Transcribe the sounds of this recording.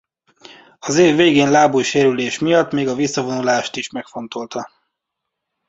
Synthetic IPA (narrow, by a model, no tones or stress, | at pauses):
ɒzeːvːeːɡeːnlaːbujʃeːɾyleːʃmijɒt̪meːɡɒvisːɒvo̞nulaːʃt̪iʃmɛkfo̞n̪t̪o̞lt̪ɒ